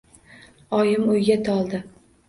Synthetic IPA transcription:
ɒjɪmɵjɡʲat̪ʰɒlˠd̪ɪ

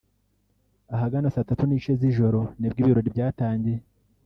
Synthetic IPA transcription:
aɦaɡanasatatuniʃeziʒo̞ɾo̞nib̚ɡiːβiɾoɾibɟaːtaːɲɟe̞

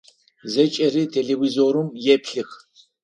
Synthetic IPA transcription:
zɛt͡ʃʼɛɾit̪ʰɛlɛwizɔɾumjɛpʰɬix

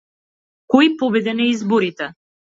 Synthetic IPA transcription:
kɔjpɔbɛd̪ɛnɛizbɔɾit̪ɛ

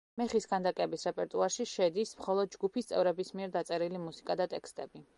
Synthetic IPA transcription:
mɛχisɡand̪akʼɛbisɾɛpʼɛɾt̪ʼuaɾʃiʃɛd̪ismχɔlˠɔd̪̚d͡ʒɡupʰist̪sʼɛ̰vɾɛbismiɛɾd̪at̪sʼɛɾilimusi̥kʼad̪at̪ʼɛkst̪ʼɛbi

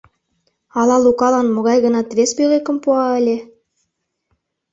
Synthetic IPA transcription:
ɑlɑlukɑlɑnmɤ̆ɣɑjɣɤ̆nɑt̪βesbyʁekə̆mpuɑə̆lʲe

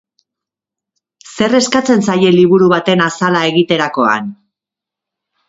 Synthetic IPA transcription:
se̞re̞skat͡se̞nsaje̞liβuɾuβ̞at̪e̞nasalae̞ɣit̪e̞ɾako̞a̰n

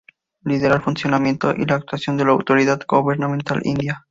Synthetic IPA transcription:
liðeɾaɾfunsjonamjent̪o̰ʔḭlaːk̚t̪wasjond̪elawt̪oɾiðad̪ɡoβeɾnamẽnt̪a̰lʔḭnd̪ja

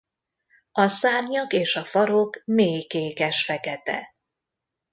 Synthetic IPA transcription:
ɒsaːrɲɒkeːʃɒfɒɾokmeːjkeːkɛʃfɛkɛt̪ɛ̰

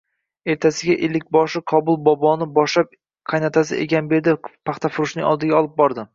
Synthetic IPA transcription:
e̞ɾt̪ʰasɪɡʲaʔɪlːɪk̚ʲbɒʃɪqʰɒbʊlˠbɒbɒnɪbɒʃlap̚ | kʰajnat̪ʰas̬ɪ̰ʔḛɡʲanbe̞ɾd̪ɪpʰɑχt̪ʰafʊɾʊʃnɪŋɒ̰lˠd̪ɪɡʲaɒlˠɪp̚bɒɾd̪ɪ

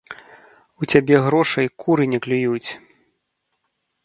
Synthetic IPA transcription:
ut͡sʲabʲɛɣɾɔʂɐjkʰuɾɨnʲɛklʲujut͡sʲ

